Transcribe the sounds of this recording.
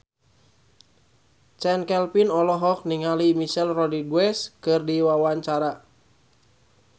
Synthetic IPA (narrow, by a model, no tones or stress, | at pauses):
t͡ʃɛnkɛlpinɔlɔɦɔk̚niŋalimiʃɛlrɔdidwɛskɨrdiwawaɲt͡ʃaɾa